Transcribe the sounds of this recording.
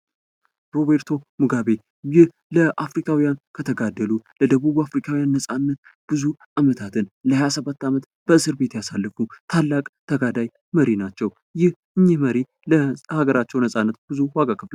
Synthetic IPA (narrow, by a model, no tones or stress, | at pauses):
ɾo̞βeɾt̪ʰo̞mɨɡaβe̞ | jɪh | ləʔafɾikʰawijankʰət̪ʰəɡad̪ːəluləd̪əβuβuafɾikʰawijanːəsʼanːət̪̚ | b̥ɨzuʔamət̪ʰat̪ʰɨnləhajasəβat̪ːamət̪ | b̥əɨsɨɾbe̞t̪jasalːɨfut̪ʰalːakʼt̪ʰəɡad̪aj | məɾinat͡ʃːɛw | jɪhʔɨɲːɪhməɾi | ləhaɡəɾat͡ʃːɛwnəsʼanːət̪b̥ɨzuwaɡakʰəfla